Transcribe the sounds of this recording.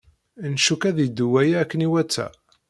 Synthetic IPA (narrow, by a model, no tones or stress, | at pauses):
nʃukæðid̪uwæjæːkːəniwæt͡sːæ̰